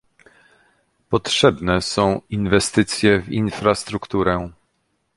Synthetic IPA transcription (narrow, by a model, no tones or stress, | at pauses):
pɔtʂɛbnɛsɔ̃w̃invɛst̪ɘt̪sʲjɛvinfɾast̪ɾukt̪uɾɛ